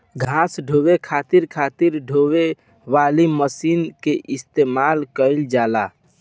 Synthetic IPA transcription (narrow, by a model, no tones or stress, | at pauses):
ɡʱãsɖʱowekʰat̪iɾkʰat̪iɾɖʱowe | ʋaliməsinkeʔist̪emalkəɪld͡ʒala